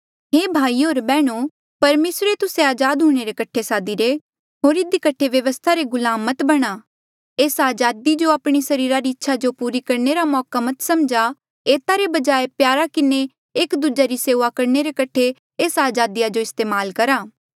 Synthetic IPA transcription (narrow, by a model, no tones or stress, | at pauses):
ɦeːbʱaːiɦoːɾbɛːɽ̃u | pɐɾmeːsɾet̪ʊseaːd͡ʒaːd̪ɦuːɽ̃eɾekɐʈʰesaːd̪iɾe | ɦoːɾɪd̪ikɐʈʰeʋjɐʋəst̪ʰaɾeɡʊlaːmət̪bɐɽ̃aː | eːsaːd͡ʒaːd̪id͡ʒoaːpɽ̃isɐɾiːɾaɾiɪtːʃʰad͡ʒopuːɾikɐɾneɾamɔːkamɐt̪sɐmd͡ʒa | eːt̪aɾebɐd͡ʒaːepjaːɾakɪne | eːkd̪uːd͡ʒaɾiseːʋakɐɾneɾekɐʈʰe | eːsaːd͡ʒaːd̪ijad͡ʒoɪst̪eːmaːlkɐɾaː